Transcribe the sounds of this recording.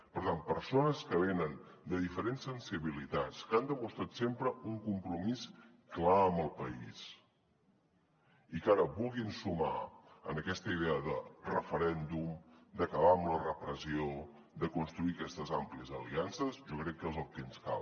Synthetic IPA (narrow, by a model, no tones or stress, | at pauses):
pəɾt̪anpəɾsonəskəβenənd̪əðifəɾensːənsiβilit̪at͡skand̪əmust̪ɾat̪sempɾəuŋkumpɾumis | klaəmbəlˠpəis | ikaɾəβulˠɣinsuma̰ənəkɛst̪əiðeəðərəfəɾɛnd̪umd̪əkəβaəmlərəpɾəzio | d̪əkunst̪ɾuikɛst̪əzampliəzəliansəzʒɔkɾɛkːezəlˠt̪enska̰lˠ